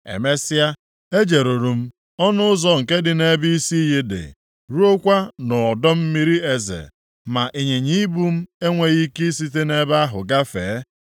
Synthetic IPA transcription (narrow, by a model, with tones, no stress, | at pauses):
ḛ˨me˦sɪ˦a˦ | e˦d͡ʒe˨ɾo˨ɾu˨m̩˦ | ɔ˦nʊ˦ʊ˦zɔ˨ŋ̩˨ke˦dɪ˨ne˦bi˦i˦si˦i˦ɦi˦dɪ̰˨ | ɾu˦o˦kʷa˦nɔ˨ɔ˨dɔ˦m̩˦mi˦ɾi˦e˨zḛ˨ | ma˨ʔi˨ɲe˨ɲi˦bu˦m̩˦e˦ŋʷe˨ɣi˦ki˦si˦t̬e˦ne˦ba˦a˦ɦʊ̰˨ɡa˦fḛː˨˦